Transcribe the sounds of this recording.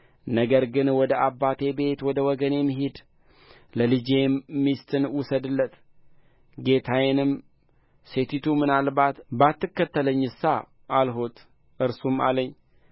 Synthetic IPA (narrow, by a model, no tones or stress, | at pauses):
nəɡəɾɡɨnwɔd̪əʔabːat̪ʰe̞be̞t̪wɔd̪əwɔɡəne̞mːiɦed̪ | ləlɨd͡ʒemmːist̪ʰɨnwusəd̪ɨlːət̪ | ɡe̞t̪ʰajɪnɨm | se̞t̪ʰit̪ʰumɨnalbat̪bat̪ːɨkːət̪ːələɲːɨsa̰ | ʔalɦo̞t̪ | ʔɨɾsuma̰ləɲː